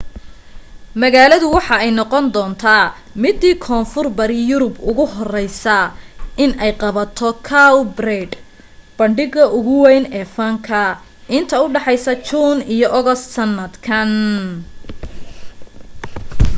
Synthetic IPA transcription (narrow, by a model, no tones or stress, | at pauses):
mɐɣaːlɐðʊwɑħɑɛjnɔqɔnd̪ɔːnt̪ʰaː | mɪd̪ːiːkʰɔːnfʊrbɐɾɪjʊɾʊbʊɣʊɦɔrɛjsɐʔɪnɛjqɑβɐt̪ʰɔkʰawbrɛd̪ | b̥ɐɳɖɪɣɐʔʊɣʊwɛjnɛːfɐŋkʰɐ | ʔɪnt̪ʰɐʊɖɑħɑjsɐt͡ʃuːnijɔʔɔɣɔst̪sɐnːɐd̪kʰɐn